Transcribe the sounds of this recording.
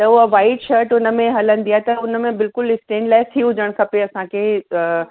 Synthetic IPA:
t̪ɐʊɦɐʋaːɪʈʃɐɾʈʊnə̆mẽɦɐlə̃n̆d̪ijaːet̪ɐʊnəmẽbɪlkʊlɪsʈẽːɳɖlaːɪt̪ʰiɦʊd͡ʑəɽ̃kʰɐpeɐsãkʰeː

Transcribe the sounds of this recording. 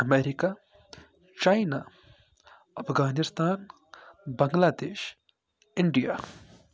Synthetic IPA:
ɐmeːɾika | t͡ʃaːina | ɐpʰɡaːnɪst̪aːn | bɐ̃ŋɡlaːd̪eːʃ | ɪɳɖijaː

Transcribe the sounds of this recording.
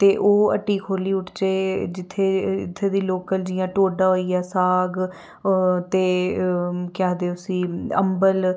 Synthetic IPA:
t̪eːʔoːə̰ʈiːkɦoːliːʊʈt͡ʃeːd͡ʒɪt̪ʰːeːɪt̪ʰːeːd̪iːloːkəld͡ʒɪjãːʈoːɖaːoːiːjaːsaːɡ | t̪eː | kaːd̪eːʊsiːə̰mbəl

